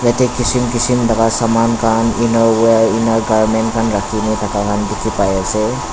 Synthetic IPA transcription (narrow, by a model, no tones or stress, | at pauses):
zatɛkisimkisimdaɡasamankʰaninɔɹweɹinaɹɡaɹmɛntkʰanɹakʰinitʰakakʰandikʰipajasɛ